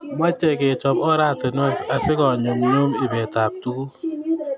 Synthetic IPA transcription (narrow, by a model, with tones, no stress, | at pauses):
ma˦t͡ʃɛ˨ke˨t͡ʃɔ˨pɔ˦ɾa˦˨te˨n˦ɛ˦sa˨sɪ˦kɔ˨ɲo˨mɲo˦mɪ˨bɛ˨ta˨p̚tu˦ku˦